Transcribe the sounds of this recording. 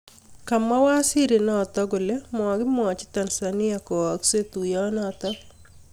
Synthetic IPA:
ka˨ma˦wa˦sɪ˦ɾe˨nɔ˦˨t̪ɔ˦ɡo˨le˦mɔ˨ɡɪ˦m˦ɔ˨t͡ʃɪ̥˦t̪a˨nsa˨nɪ˦a˨kɔ˨ɔ˨kse˦t̪u˨jɔ˦nɔ˦˨t̪ɔ˦

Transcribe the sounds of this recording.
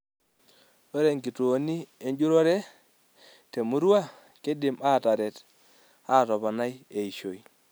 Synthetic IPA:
o˦ɾe˨ŋɡi˨to˨o˨ni˦e˨˦ɲd͡ʒu˦ɾo˦ɾe˦ | te˨mu˦ɾu˦a˦˨ | ke˦dɪ˨ma˦˨ta˨ɾɛ˨t | a˦˨tɔ˨βɔ˨na˦je˨i˨ʃo˨i˨

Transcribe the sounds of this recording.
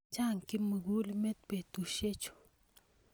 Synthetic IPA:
t͡ʃa˦˨ŋkɪ˦mə˨ɡu˦lmɛ˦t̪̚pe˨t̪u˨ʃe˦t͡ʃo̥˨

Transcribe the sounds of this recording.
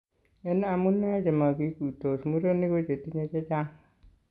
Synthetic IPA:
e˦n˦a˨mu˦nːa˦d͡ʒe˨ma˨ɡi˦ku˨to˨smu˦ɾo˦nːi˦ɡo˦d͡ʒe˨tːi˦ɲe˦t͡ʃe˦d͡ʒa˦ŋ

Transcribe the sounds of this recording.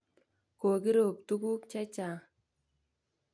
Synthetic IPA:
ko˨ki˦ɾo˨p̚t̪u˦ku˦kt͡ʃɛ˦t͡ʃa˨

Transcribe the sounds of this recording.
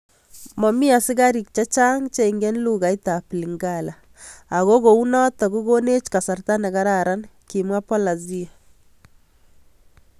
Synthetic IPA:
mɔ˨mɪ˦a˨sɪ˦ɡa˦ɾi˨k̚t͡ʃa˦t͡ʃa˦ŋt͡ʃe˦ŋɡe˦nlu˦ɣa˨i˦ta˨pli˨ŋɡalaː˨ | ɣo˦ɣo˨u˦nɔ˦tɔ˨ɡu˦ɡo˦ne˦t͡ʃka˨sa˨rta˦nɛ˨ɡa˦ɾaɾa˦nki˨mwa˦pɔ˦la˨zi˦a˨

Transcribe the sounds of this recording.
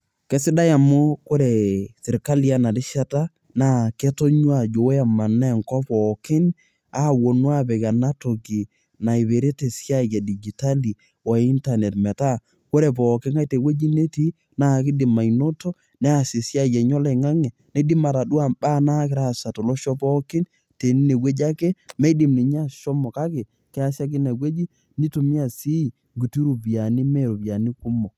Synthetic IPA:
kɛ˨˦sɪ˦da˦ja˨mʊ˦ko˦ɾe˨sɪ˨ɾka˦li˨a˦na˨dɪ˦ʃa˦ta˦ | na˦ke˦to˦ɲwa˦˨d͡ʒo˨wa˨ma˨na˦˨ŋkɔ˦pɔː˨kɪ˦n | a˦˨wo˨nwa˦bɛ˨ka˨na˦to˨ki˨ | na˨i˨βe˨ɾe˦te˨sja˦˨jɛ˨di˨d͡ʒi˨ta˦li˨ | wa˨i˦nta˨ne˨tmɛ˨ta˦ | ko˦ɾe˨pɔː˨kɪ˦ŋa˦te˨we˦d͡ʒi˦ne˦ti˦ | na˨kɪ˦di˨ma˨ino˦tɔ˦ | nɛ˦a˨se˨sja˦˨ja˨ɲɔ˦la˨ŋa˦ŋɛ˨ | ne˨˦di˦ma˨ɾa˨du˦a˦˨ba˦na˦kɪ˨ɾa˦˨sa˨to˨lɔ˦ʃɔ˦pɔ˦kɪ˦n | te˨ni˦ne˨we˦d͡ʒa˦ke˦me˦di˨mni˨ɲ˦a˦˨ʃɔ˦mɔ˨ka˦ke˨ | kɛ˦a˦sja˦k̬i˦ne˨we˦d͡ʒi˦ | ni˦to˨mi˦a˨si˦i˨ | ŋɡu˨ti˦ɾu˨bja˨ni˦me˦˨ɾo˨bja˨ni˦ku˦mɔ˨

